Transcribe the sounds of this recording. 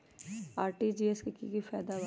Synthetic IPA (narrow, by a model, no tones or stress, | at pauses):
aːɾʈid͡ʒiːeskikḭkifɛːd̪aba